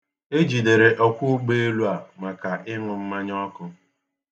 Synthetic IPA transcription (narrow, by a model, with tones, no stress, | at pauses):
e˦d͡ʒi˨de˨ɾe˨ʔɔ˦kʷu˦ɡ͡be˦e˦lu˦a˨ma˨ka˨ʔɪ˦ŋʊ˨m̩˦ma˦ɲɔ˦kʊ˦